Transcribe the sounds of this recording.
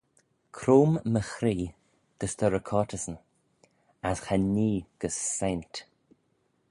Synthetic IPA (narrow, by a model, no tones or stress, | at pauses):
kʰɾoːmːəxɾiː | ɡ̥əsd̪əɾəkʰɔtʰəsən | asxaniːɡ̥əsːent